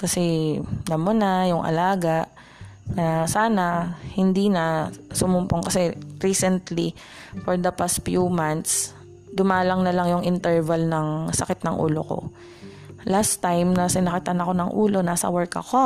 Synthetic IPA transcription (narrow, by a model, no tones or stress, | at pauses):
kɐsɛd̪ɐmonajʊŋʔɐ̰laːɡaʔ | nɐsaːnɐhɪnd̪iːnɐsʊmʊmpoŋkɐsɛɹiːsɛnt̪li | foɹd̪ɐpast̪̚fjumant̪s | d̪ʊmaːlɐŋnɐlɐŋjʊŋɪnt̪ɛɹvɐlnɐŋsɐkɪt̪nɐŋʔṵːlo̰ko̞̰ | last̪ːajmnɐsɪnɐkɪt̪ɐnɐko̞nɐŋʔuːlo̞naːsɐ̰wɛɹkɐ̰ko̞